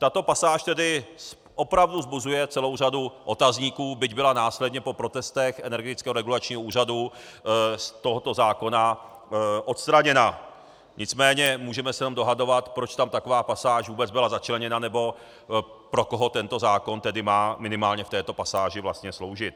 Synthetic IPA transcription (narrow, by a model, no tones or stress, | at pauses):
t̪at̪o̞pasaːʃt̪ɛdɪ | ʔo̞pɾavduzbuzujɛt͡sɛlo̞wraduʔo̞t̪azɲiːkuːbɪɟbɪlanaːslɛd̪ɲɛpo̞pɾo̞t̪ɛst̪ɛxʔɛnɛɾɡɛt̪ɪ̥t͡skɛːɦoɾɛɡulat͡ʃɲiːɦouːr̝adu | st̪oɦot̪o̞zaːko̞na | ʔo̞t̪st̪ɾaɲɛna | ɲʔɪt͡smɛːɲɛmuːʒɛmɛsɛjɛnomdo̞ɦado̞vat̪pɾot͡ʃt̪amt̪ako̞vaːpasaːʒvuːbɛd͡zbɪlazat͡ʃlɛɲɛnanɛbo̞ | pɾo̞koɦot̪ɛnt̪o̞zaːko̞nt̪ɛdɪmaːmɪnɪmaːlɲɛft̪ɛːt̪o̞pasaːʒɪvlast̪ɲɛslo̞wʒɪt̪̚